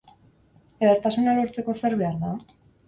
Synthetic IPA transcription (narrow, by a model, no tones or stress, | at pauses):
eɣeɾt̪asunalo̞ɾt͡se̞ko̞seɾβe̞aɾða